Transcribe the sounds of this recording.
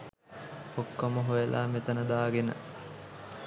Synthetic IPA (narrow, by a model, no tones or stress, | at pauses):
okːɐməɦojelʔaːmet̪ənəd̪aːɡenə̰